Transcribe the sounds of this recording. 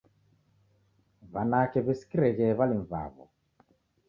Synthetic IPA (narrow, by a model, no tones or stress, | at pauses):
βanakɛβisi̥kiɾɛɣɛβaliɱva̰βɔ̰